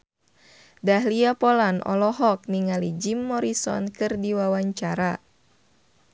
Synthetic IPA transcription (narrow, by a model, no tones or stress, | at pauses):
daɦliapɔlanɔ̰lɔɦɔk̚niŋalid͡ʒimːɔɾisɔ̰nkɨrdiwawaɲt͡ʃaɾa